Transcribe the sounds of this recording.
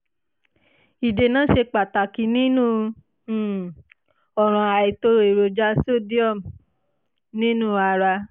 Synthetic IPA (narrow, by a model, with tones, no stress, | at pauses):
i˨de˨nãː˨˦ʃe˧k͡pa˨ta˨ki˧˦nĩ˦nũː˦˧˨ | ɔ˨ɾ̃ɔ̃˨a˨i˨to˧e˨ɾo˨d͡ʒa˧˦so˦˨di˦ɔ˦˨m˨ | nĩ˦nũː˦˧a˧ɾa˧